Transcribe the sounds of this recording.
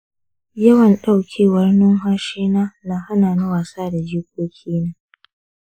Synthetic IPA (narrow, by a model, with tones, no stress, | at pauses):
jɐ˦wɐ˨nɗa˦˨wkʲʰeː˦wɐ˦rnʊ˦ŋɦa˦ʃiː˦naː˦naː˨ha˦naː˨nʊ˦waː˨saː˦da˨d͡ʒiː˦k̚ʷoː˦kʲʰiː˦naː˦